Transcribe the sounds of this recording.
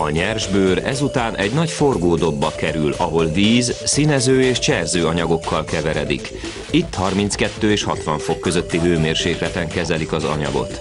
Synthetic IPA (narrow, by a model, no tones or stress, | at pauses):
ɒɲɛrʒbøːɾɛ̰zut̪aːnʔɛɟnɒcfo̞rɡoːd̪o̞bːɒkɛɾylɒɦo̞lviːzsinɛzøːeːʃt͡ʃɛrzøːɒɲɒɡo̞kːɒlkɛvɛɾɛ̰d̪ḭk | it̪ːhɒrmint̪skɛt̪ːøːeːʃhɒt̪ʋɒɱfo̞kːø̞zøt̪ːiɦøːmeːrʃeːklɛt̪ɛŋkɛzɛlikɒzɒ̰ɲɒ̰ɡo̞̰t̪